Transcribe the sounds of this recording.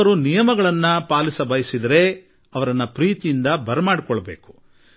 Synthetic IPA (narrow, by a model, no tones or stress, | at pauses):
ɐɾunijɐmɐɡɐɭɐnːɐpaːlisɐbɐjsid̪ɐɾe̞ | ɐʋɐɾɐnːɐpɾiːt̪ijind̪ɐbɐɾɐmaːɽikɔɭɐbe̞ːku̥